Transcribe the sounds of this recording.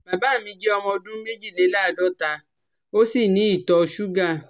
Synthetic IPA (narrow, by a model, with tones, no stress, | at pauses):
ba˨ba˨˦˨mĩ˧˦d͡ʒɛ˦ɔ˧mɔ̃˧dũ˦me˦d͡ʒi˦˨le˨˦la˦˨dɔ˦ta˧ | o˦si˦˨nĩ˨˦i˦˨tɔ˧ʃu˦ɡa˦˨